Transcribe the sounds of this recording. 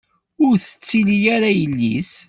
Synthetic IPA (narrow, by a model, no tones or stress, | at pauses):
ʊɾθə̥t͡sːilijaɾajəlːis